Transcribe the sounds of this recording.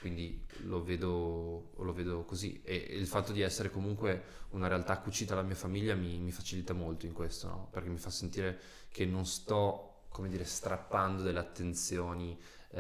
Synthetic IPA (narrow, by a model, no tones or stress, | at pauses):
kwind̪iloveːd̪oloveːd̪okozḭeilfat̪ːod̪iɛsːeɾekomuŋkweunaɾealt̪akːut͡ʃiːt̪alamiːafamiʎːamimifat͡ʃilit̪amolt̪oiŋkwest̪onɔ̰perkemːifasːent̪iːɾe | kenːonst̪ɔ | komed̪iːɾest̪ɾapːand̪od̪elːeat̪ːent̪sjoːni